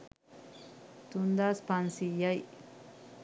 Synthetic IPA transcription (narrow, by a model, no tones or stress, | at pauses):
t̪ʊnd̪aspansijaj